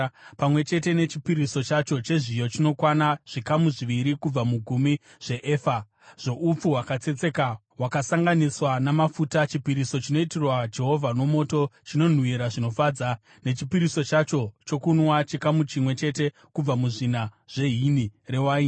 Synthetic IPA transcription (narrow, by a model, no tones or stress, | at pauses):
pamwe̞t͡ʃe̞te̞ne̞t͡ʃipiɾiso̞t͡ʃat͡ʃo̞t͡ʃe̞ʐijo̞t͡ʃino̞kwanaʐ̥ikamuʐiʋiɾikub͡vamuɡʱumi | ʐ̥e̞ʔeːfa | ʐ̥o̞ʔup͡fuɦwakat͡se̞t͡se̞ka | wakasaŋɡaniswanamafutat͡ʃipiɾiso̞t͡ʃino̞itirwad͡ʒe̞ɦo̞vʱano̞mo̞to̞t͡ʃino̞n̤uiɾaʐino̞faːd͡za | ne̞t͡ʃipiɾiso̞t͡ʃat͡ʃo̞t͡ʃo̞kunwat͡ʃikamut͡ʃimwe̞t͡ʃe̞te̞ | kub͡vamuʐinaʐ̥e̞ɦinire̞waːi